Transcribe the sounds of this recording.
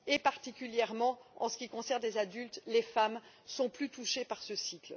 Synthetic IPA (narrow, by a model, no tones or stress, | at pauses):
epaʁt̪ikʲyljɛʁmɑ̃ɑ̃sə̥kʲikɔ̃sɛʁnlezad̪ylt̪lefam | sɔ̃plyt̪uʃepaʁsəsikl